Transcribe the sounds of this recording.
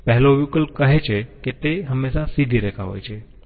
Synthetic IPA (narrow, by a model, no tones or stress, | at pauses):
pɛɦɛloʋjukəlkəɦet͡ʃʰeket̪eɦəmːeʃasid̪ʱiɾɛkʰaʋo̰jt͡ʃʰe